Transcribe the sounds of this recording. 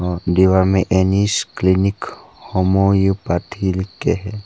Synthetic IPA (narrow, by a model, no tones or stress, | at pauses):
ɖiʋamẽʔenisklinɪkhomojupat̪ʰilikːeɦɛ